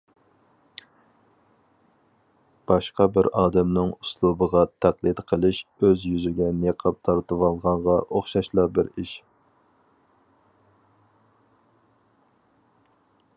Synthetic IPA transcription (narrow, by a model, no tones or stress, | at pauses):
b̥ɑʃqɑbɪɾɑːd̪ɛmnɨŋuslˠubəʁɑt̪ʰæqlˠɨd̪qʰəlˠɪʃøzjyzyɡʲɛneqʰɑp̚t̪ʰɑɾt̪ɨwɑlˠʁɑɴʁɑʔoχʃɑʃlˠɑbɪɾiʃ